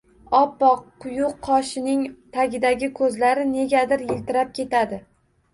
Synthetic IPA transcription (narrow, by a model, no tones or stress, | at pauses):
ɒpːɒqːʊjʊqʰːɒʃɪnɪŋt̪ʰaɡʲɪd̪aɡʲɪkʰɵzlaɾɪne̞ɡʲad̪ɪɾjɪlt̪ɪɾap̚kʲʰe̞t̪ʰad̪ɪ